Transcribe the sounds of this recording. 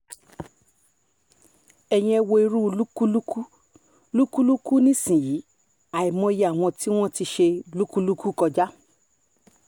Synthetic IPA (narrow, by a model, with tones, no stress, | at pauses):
ɛ˧j̃ĩ˧ɛ˧wo˧i˧ɾu˦o˧lu˦ku˦lu˦ku˦ | lu˦ku˦lu˦ku˦nĩ˦sĩ˨ji˨˦ | a˨i˨mɔ̃˧˦je˨˦a˨w̃ɔ̃˧ti˦w̃ɔ̃˦ti˧ʃe˧o˧lu˦ku˦lu˦ku˦˨kɔ˧d͡ʒa˦